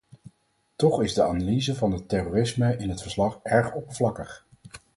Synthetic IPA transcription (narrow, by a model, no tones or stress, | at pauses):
tɔχɪzdəaːnalizəvɑnɦətɛroːrɪsməɪnɦətfəɹslɑχɛɹχɔpəvlɑkəχ